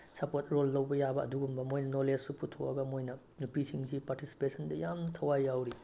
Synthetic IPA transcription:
sɐpot̚ɾolːɐwbɐjabɐːduɡumbɐmojnɐnolessupʰutʰowɐ̰ɡɐmojnɐ | nupisʰiŋsʰipaɾtisi̥pesɐndɐjamtʰɐwajːawɾi

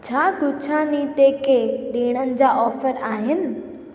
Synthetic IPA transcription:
t͡ɕʰaːɡʊt͡ɕʰaːnit̪ekʰeɗiːɽ̃ənɪ̆d͡ʑaːʔɔːfəɾaːɦɪnɪ̆

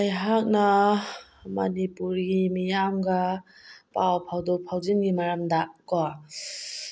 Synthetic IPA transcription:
ajɦak̚na | mɐnipuɾɡimijamɡa | pawpʰawdɔpʰawzinɡimaɾamdakɔ

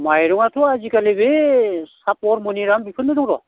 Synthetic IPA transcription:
majɾuŋatʰɔazikalebesapɔɾmuniɾambipʰɯnɯɾɯŋɾɔ̰

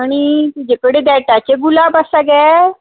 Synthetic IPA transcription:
aɽ̃iud͡ʑekəɽed̪aʈjat͡ɕeɡulabasaɡɛ

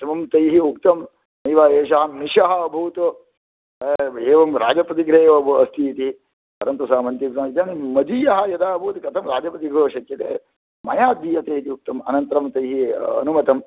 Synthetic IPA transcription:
t̪ɐmɐmt̪ɐjɦiukt̪ɐm | nɐjʋaːeːʃɐɦɐniʃɐɦɐɐbʱuːt̪ | eːʋɐmɾaːd͡ʒɐpɐt̪̬iɡɾeːʋɐbʱuɐst̪ijit̪i | pɐɾɐnt̪usaːmɐnt̪jik̪saːit̪jaːnimɐd͡ʒijɐɦɐ̆jɐd̪aːbʱuːt̪kɐt̪ʰɐmɾaːd͡ʒɐpɐt̪iɡɾoːʃɐkjɐt̪ḛː | mɐjaːd̪iːjɐt̪eːt̪iuk̚t̪ɐmɐ̰nɐnt̪ɾɐmt̪ɐjɦiɐ̰numɐt̪ɐm

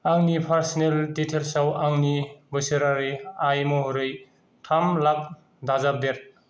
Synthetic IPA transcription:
aŋnipʰaɾsinelditʰelsawaŋnibɯsɯɾaɾɯjajmɔɦɾɯj | tʰamlak̚ | dazap̚deɾ

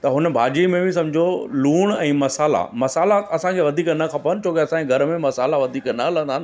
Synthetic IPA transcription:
t̪ɐɦʊnə̆bʱaːd͡ʑimẽbʱisɐ̃md͡ʑʱoluːɽ̃ɛ̃ːmɐsaːla̰mɐsaːlaɐsãkʰeʋɐd̪ʱiːknɐkʰɐpənɪ̆t͡ɕʰoːkeɐsãkʰeɡʱɐɾmẽmɐsaːlaʋɐd̪ʱiːknɐɦɐlə̃nd̪aːnɪ̆

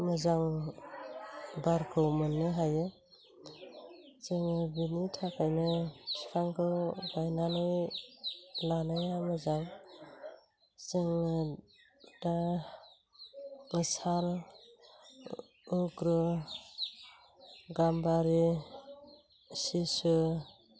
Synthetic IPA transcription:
mɯzaŋ | baɾkʰɯwmɯnːɯɦajɯ | sɯŋɯbinitʰakʰajnɯkʰi̥kʰaŋkʰɯbajnanɔj | lanajamɯzaŋ | sɯŋɯ | d̥a | ɯsal | kɾɯ | ɡambaɾi | sisɯ

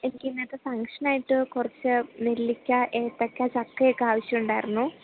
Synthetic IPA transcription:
e̞nikʲːɨinːet̪ːefɐŋkʂɐnaːjiʈːɨkurɐt͡ɕːɨmelːikʲːɐʔeːt̪ːɐkʲːat͡ɕɐkːɐjekːɨaːʋɐɕjɐmuɳɖaːjiɾunːu

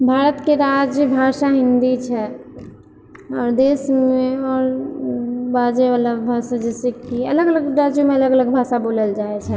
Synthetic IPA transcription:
bʱaːɾət̪keɾad͡ʒbʱaːʃaɦɪ̃nd̪it͡ʃʰɛ | ɔːɾd̪eːsmẽɔːɾ | baːd͡ʒeʋələbʱaːsad͡ʒɛsekiɐləɡələɡɾaːd͡ʒjõmẽɐləɡələɡ̚bʱaːʃaboːləld͡ʒaːet͡ʃʰɛ

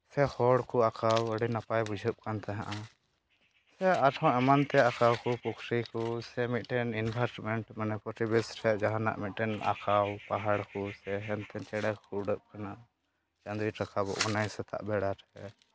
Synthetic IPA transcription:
sɛhɔɽkuakawəɽinapajbud͡ʒʱəp̚kant̪aɦãʔã | sɛaʈʰɔ̃ɛmant̪ɛakawkɔpukʰɾikɔsɛmit̪̚ʈɛninbʱaɾʈmɛɳʈmanɛpɔʈibɛsʈʰɛʔd͡ʒaɦana̰ʔmit̪̚ˀʈɛna̰kawpaɦaɽkusɛɦɛnt̪ɛt͡ʃɛɽɛkkuuɖəp̚kanaʔ | t͡ʃand̪iʈakabɔ̰ʔɡɔnajsɛt̪ʰa̰ʔbɛɽaʈʰɛ

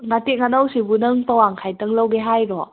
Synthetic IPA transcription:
ŋateŋanawsibunɯŋpawaŋkʰajtəŋləwɡeɦajɾɔ

